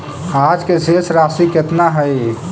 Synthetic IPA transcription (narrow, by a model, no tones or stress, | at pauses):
ad͡ʒkesesɾasiket̪naɦəj